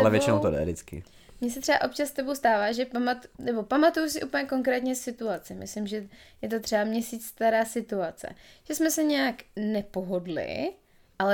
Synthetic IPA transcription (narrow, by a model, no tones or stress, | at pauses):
ʔalɛvjɛt͡ʃɪnowt̪odɛ̰dɪt͡skɪ̰ | mɲɛs̬ɛt̪r̥ɛba̰ʔo̞p̚t͡ʃast̪ɛbowst̪aːvaːʒɛpamat̪nɛbo̞pamat̪ujus̬ɪʔupəɲɛko̞ŋkɾɛːt̪ɲɛsɪt̪uat͡sɛmʔɪ̰slɪmʒɛjɛt̪̬o̞t̪r̥ɛbamɲɛsiːt͡sst̪aɾaːsɪt̪uat͡sɛ̰ʒ̥ɛsmɛsɛɲɛjaknɛpo̞ɦo̞dlɪ̰ | ʔalɛ